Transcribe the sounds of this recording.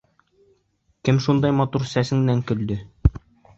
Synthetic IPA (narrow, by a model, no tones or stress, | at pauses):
kɘmʃund̪ɑjmɑt̪uɾsæsɘ̆ŋnæŋkɵ̆ld̪ɘ